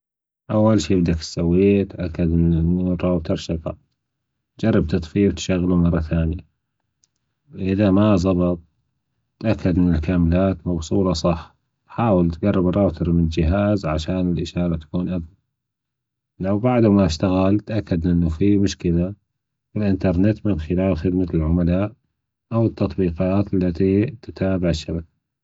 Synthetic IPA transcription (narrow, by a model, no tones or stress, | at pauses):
ʔawːalʃiːbd̪akt̪sawːiːt̪ʔakːad̪ʔɪnːʔɪnːurˤɑːwt̪ɑɾˤʃɑɣɑ̰ | d͡ʒɑrˤːɑb̚t̪ɑt̪ˤfiːb̚t̪ʃaɣːlumɑrˤːɑθaːnja | ʔʔɪðamazˤɑbɨt̪̚ˤ | t̪ʔakːad̪ʔɪnːɪlkaːmlaːt̪mɑbsˤuːlɑsˤɑħ | ħaːwɪlt̪ɡɑrˤːɪbrˤɑːt̪ɪɾmɪnd͡ʒɪɦaːzʕaʃaːnɪlʔɪʃɑːɾˤɑt̪ḁkuːnʔaɡla | lawbaʕd̪maʃt̪aɣalt̪ʔakːad̪ʔɪnːufimʊʃkɪla | fɪlʔɪnt̪ɑɾˤnɪt̪mɪnxɪlaːlxɪd̪malʕʊmalaːʔ | ʔawət̪ːɑt̪ˤbiːqɑaːt̪alːat̪it̪ɪt̪aːbaʕɪʃːabakḁ